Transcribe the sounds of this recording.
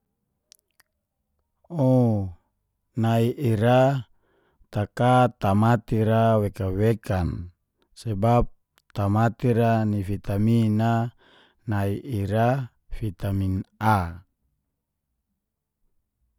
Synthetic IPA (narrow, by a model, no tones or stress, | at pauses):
o | naiʔiɾa | t̪akat̪amat̪iɾawekawekan | sebap̚ | t̪amat̪iɾanifit̪amina | naiʔiɾa | fit̪amina